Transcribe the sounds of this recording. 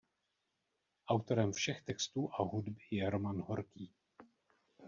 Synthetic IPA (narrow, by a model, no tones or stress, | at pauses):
ʔawt̪o̞ɾɛmfʃɛxt̪ɛkst̪uːʔaɦudbɪjɛɾomanɦoɾkiː